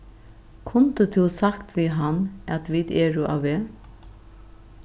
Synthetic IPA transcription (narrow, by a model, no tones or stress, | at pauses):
kʰʊnt̪ət̪ʰusakt̪ʋiɦanːæt̪ʋiːd̪ɛːɹʊʔa̰weː